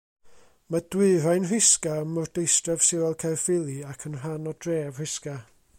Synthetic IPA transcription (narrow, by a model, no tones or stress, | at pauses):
mad̥wɨrajnrɪskaəmʊrdejstrɛv̥sɪwɛlˠkʰarfɪlˠiakʰənr̥anɔdreːv̥r̥ɪska